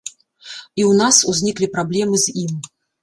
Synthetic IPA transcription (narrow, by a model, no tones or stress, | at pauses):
iwnasuzʲnʲiklʲipɾablʲɛmɨzʲim